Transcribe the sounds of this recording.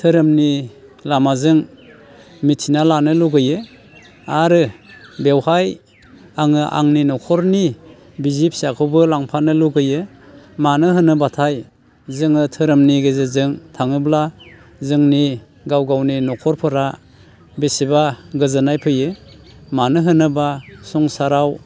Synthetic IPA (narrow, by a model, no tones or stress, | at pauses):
tʰɯɾɯmnilamazɯŋ | mitʰinalanɯluɡɯjɯ | aɾɯbewhaj | aŋɯʔa̰ŋninɔkʰɔɾni | bizip̚sakʰɯwbɯlaŋpʰanɯluɡɯjɯ | manɯɦɯnɯbatʰaj | zɯŋɯtʰɯɾɯmniɡezɯzɯŋtʰaŋɯbla | zɯŋni | ɡawɡawninɔkʰɔɾpʰɯɾa | besibaɡɯzɯnajpʰɯjɯmanɯɦɯnɯbasɔŋsaɾaw